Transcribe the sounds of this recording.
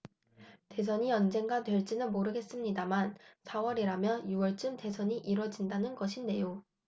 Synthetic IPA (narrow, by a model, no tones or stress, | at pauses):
te̞s̬ʰʌɲiʌnd͡ʑe̞ŋɡatwe̞ɭt͡ɕ͈inɯnmoɾɯɡe̞s͈ɯmɲidamansʰawʌɾiɾamjʌnjuwʌɭt͡ɕ͈ɯmte̞sʰʌɲiʔiɾwʌd͡ʑindanɯnɡʌɕʰinde̞jo